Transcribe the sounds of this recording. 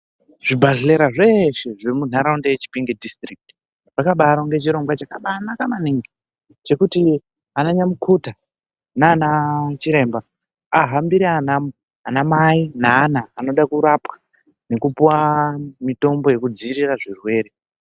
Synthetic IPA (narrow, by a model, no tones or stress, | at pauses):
ʐ̥ibʱaɮile̞ɾaʐe̞ʃe̞ʐemun̤aɾaundejet͡ʃi̥piŋɡedistrik̚ti̥ | rakaɓaɾoŋɡe̞t͡ʃiɾo̞ŋɡwat͡ʃakaɓanakamaniŋɡi | t͡ʃe̞kuti | anaɲamukʰuta | naːnat͡ʃiɾe̞ːmba | aɦambiɾeanamu | anamainaːnaːno̞ɗakuɾapwḁ | ne̞kupuwamito̞mbo̞je̞kud͡ziːriraʐirwe̞ːɾe̞